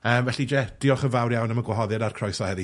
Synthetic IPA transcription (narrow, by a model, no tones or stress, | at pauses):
əːmvɛɬid͡ʒɛd̥iɔχəvawrjawnəməɡwɔɦɔðɛdarkʰr̥ɔjsɔhɛði